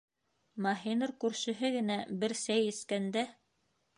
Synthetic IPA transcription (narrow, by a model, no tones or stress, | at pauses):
mɑɦinɤɾkʉɾʃɘ̆ɦɘɡɘ̆næbɘɾsæjɘ̆skænd̪æ